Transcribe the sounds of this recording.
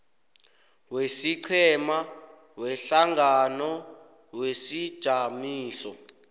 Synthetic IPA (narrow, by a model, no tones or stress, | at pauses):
wesiǀʰɛma | wɛɬaŋɡanɔ | wesid̥ʒ̥ʱamiːsɔ